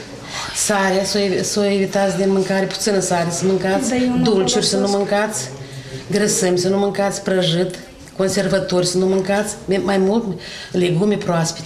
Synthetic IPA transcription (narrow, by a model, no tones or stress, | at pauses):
saɾeasosowevit̪at̪sʲd̪inmɨŋkaɾʲepu̥t̪sɨnəsaɾesɨnmɨŋkat̪sʲd̪ult͡ʃurʲsɨnt̪numɨŋkat̪sʲɡɾəsɨmʲsɨnnumɨŋkat̪sʲpɾəʒɨt̪ | konse̞rvat̪orʲsɨnt̪numɨŋkat̪sʲmmajmult̪leɡumʲepɾoaspi̥t̪